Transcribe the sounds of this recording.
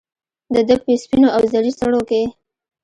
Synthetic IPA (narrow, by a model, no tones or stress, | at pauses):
d̪əd̪əpəspinoawzaɾist̪aɽoke